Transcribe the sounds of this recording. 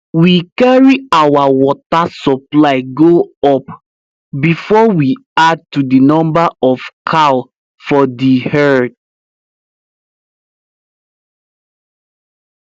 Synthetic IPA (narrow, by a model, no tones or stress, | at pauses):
wikaɹiawawɔtasɔplaɪɡoɔp | bifɔwiad̚tudinɔ̃mbaɔfkʰa | fɔdihɛd